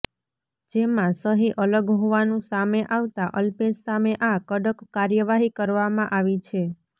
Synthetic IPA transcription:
d͡ʒemãsəɦiʔələɡɦoʋanũsameʔaʋt̪aʔəlpessameʔakəɖəkːaɾjəʋaɦikəɾʋamãʔaʋit͡ʃʰe

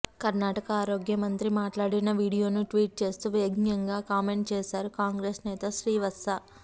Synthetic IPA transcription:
kɐɾnaːʈɐkɐaːɾo̞ːɡjɐmɐnt̪ɾimaːʈlaːɽinɐʋiːɽijo̞ːnuʈʋiːʈ̚t͡ʃe̞ːst̪uːʋeɡnjɐŋɡaːkaːme̞ɳʈ̚t͡ʃɛːsaːɾukaːŋɡɾeːsnɛːt̪ɐʃɾiːʋɐsɐ

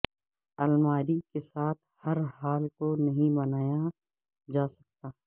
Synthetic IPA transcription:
ɐlmaːɾikesaːt̪̚ʰhɐɾɦaːlkonɐɦĩbɐnaːja | d͡ʒaːsɐk̚t̪aː

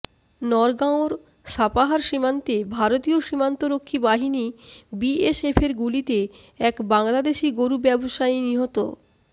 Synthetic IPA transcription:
nɔɾɡaoɾ | ʃapaɦaɾʃimant̪ebʱaɾot̪ioʃimant̪oɾokʰːibaɦinibiesepʰeɾɡulit̪e | ɛkbaŋlad̪eʃiɡoɾubɛboʃajniɦot̪o̰

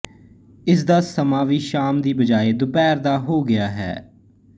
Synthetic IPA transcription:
ɪs̬d̪aːsəmaːʋiːʃaːmd̪iːbəd͡ʒaːeːd̪ʊpɛːɾd̪aːɦoːɡɪjaːɦɛ̰ː

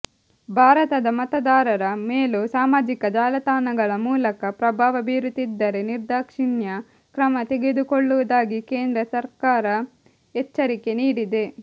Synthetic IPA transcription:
bʱaːɾɐt̪ɐd̪ɐmɐt̪ɐd̪aːɾɐɾɐmeːlusaːmaːd͡ʒikɐd͡ʒaːlɐt̪aːnɐɡɐɭɐmuːlɐkɐpɾɐbʱaːʋɐbiɾut̪id̪ːɐɾe̞niɾd̪aːkʂiɳjɐ | kɾɐmɐt̪eɡed̪ukoɭːuʋɐd̪aːɡikeːnd̪ɾɐsɐɾkaːɾɐ | ɛt͡ʃːɐɾike̞niːɽid̪e̞

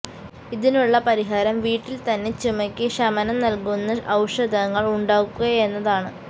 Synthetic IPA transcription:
iðinuɭːɐpɐɾiɦaːɾɐmʋiːʈːilt̪ɐnːe̞t͡ɕumɐkʲːɨʂɐmɐnɐmnɐlkunːɐʔɐwʂɐd̪ʱɐŋːɐɭuɳɖaːkːuɣɐje̞nːɐðaːɳɨ

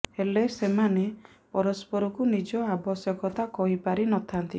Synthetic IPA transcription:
helesemane | pɔɾɔspɔɾɔkunid͡ʒɔabɔsjɔkɔt̪akɔɦipaɾinɔt̪ʰant̪ḭ

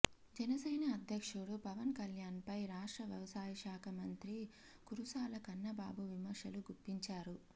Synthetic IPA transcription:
d͡ʒɐnɐsɐjnɐːd̪ʱjɐkʂuɽupɐʋɐnkɐljaːnpɐjɾaːʂʈɾɐʋjɐʋɐsaːjiʂaːkʰɐmɐnt̪ɾi | kuɾusaːlɐkɐnːɐba̰ːbuʋimɐɾʂɐluɡupːiɲt͡ʃaːɾu

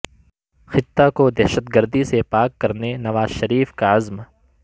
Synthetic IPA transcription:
xɪt̪ːakod̪ɛːʃət̪̚ɡɐɾd̪isepaːkːɐɾnenɐʋaːzʃɐɾiːfkaɐzm

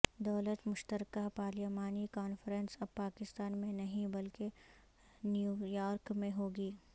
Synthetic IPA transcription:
d̪ɐːlət̪mʊʃt̪əɾkaɦpaːlimaːnikaːnfɾə̃nsɐbpaːkɪst̪aːnmẽnɐɦĩbɐlke | njujaːɾkmẽɦoːɡiː

